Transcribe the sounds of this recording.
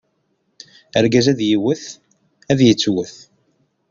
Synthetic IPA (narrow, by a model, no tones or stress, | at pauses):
əɾɡæzæðjiwəθ | æðjət͡sːwəθ